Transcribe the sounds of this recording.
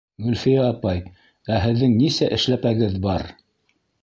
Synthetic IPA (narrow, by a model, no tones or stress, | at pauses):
ɡɵlfijæːpɑj | æɦɘ̆ðːɘŋnisæʔɘ̆ʃlæpæɡɘðbɑɾ